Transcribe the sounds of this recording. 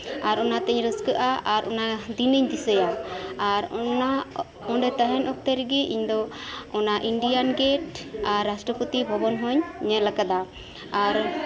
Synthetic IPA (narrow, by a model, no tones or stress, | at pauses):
aɾɔnat̪ɛɲɾəskəʔaʔaɾʔɔnad̪inəɲd̪isəjaaɾɔna | ɔɳɖɛt̪əɦɛnʔɔk̚t̪ɛɾɡiʔiɲd̪ɔɔnaʔiɳɖijanɡɛʈaɾːasʈɾɔpət̪ibʱɔbɔnɦɔɲɲɛlakad̪a | aɾ